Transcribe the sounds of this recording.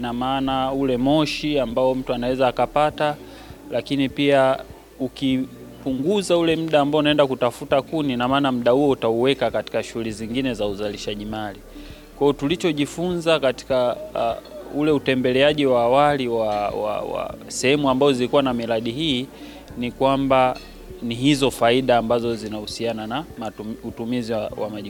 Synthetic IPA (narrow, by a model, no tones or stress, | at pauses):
namaːnaulɛmɔʃiambaɔm̩tuanawɛzaːkapata | lakinipia | uki | puŋɡuzaulɛm̩ɗaːmbaɔunaɛndakutafutakuninamaːnam̩ɗahuɔutauwɛkakati̥kaʃuhuliziŋɡinɛzauzaliʃaʄimali | kwajɔtulit͡ʃɔʄifunzakati̥ka | ulɛutɛmbɛlɛaʄiwaːwaliwawa̰wa̰sɛhɛmuambazɔzilikuwanamiɾaɗiɦiː | nikwamba | niɦizɔfaiɗaːmbazɔzinahusiananamauutumiziawa̰maʄi